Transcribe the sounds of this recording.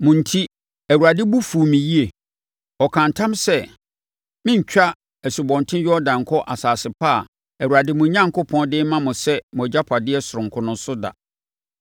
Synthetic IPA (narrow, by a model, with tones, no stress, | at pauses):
mʊ̃˨n̩˨tʰi˦ | æ˨wu˨ɾa˨dɪ˦bu˦fu˨mĩ˨ji˦e˨ | ɔ˨kʰã˨ntʰã˦msɛ˦ | mɪ̃˦ɲ̩˨t͡ɕᶣa˦ | æ˨su˨bɔ̃˨ntʰɪ̃˦ɥɛ˦ɔ˦dã˨ŋ̩˨kʰɔ˦ʔa˨saː˨sɪ˨pʰaː˦˨ | æ˨wu˨ɾa˨dɪ˦mʊ̃˨ɲã˦ŋ˨kʰʊ˦pʰɔ̃˦dɪ˦mã˦mʊ̃˨sɛ˦m˨ɔ˨d͡ʑa˦pʰa˨dɪ˦ɛ˦sʊ˨ɾʊ̃˨ŋ̩˨kʰʊ˦nʊ̃˦sʊ˦da̰˨